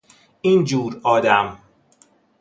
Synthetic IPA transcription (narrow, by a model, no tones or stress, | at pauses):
iːnd͡ʒuːɾɒːd̪æm